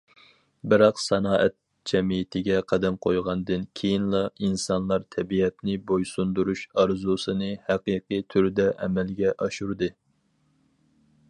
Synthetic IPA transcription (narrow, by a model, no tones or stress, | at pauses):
bɪɾɑqsɛnɑːʔɛt̪̚ | d͡ʒɛmijɪt̪ʰɪɡʲɛqʰɑd̪ɛmqʰojʁɑnd̪ɨnkʲʰejinlˠɑinsɑnlˠɑɾt̪ʰɛbiɛt̪nɪbojsund̪uɾuʃɑɾzusɨnɨhæqiqit̪ʰyɾd̪ɛʔɛmɛlɡʲɛʔɑʃuɾd̪ɨ